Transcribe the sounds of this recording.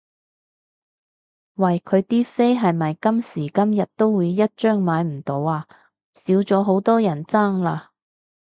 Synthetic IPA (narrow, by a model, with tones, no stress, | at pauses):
wɐ˨˩jkʰɵ˨˧ɥt̪iː˥fe˥jɦɐ˨jmɐ˨jkɐ˥msiː˨˩kɐ˥mjɐ˨t̚t̪o˥wːuː˨˧jːɐ˥t̚t͡ʃœː˥ŋmaː˨˧jm̩˨˩t̪o˨˧waː˧ | siː˨˥wt͡sɔː˨˥ɦo˨˥wt̪ɔː˥jɐ˨˩nt͡saː˥˩ŋlaː˧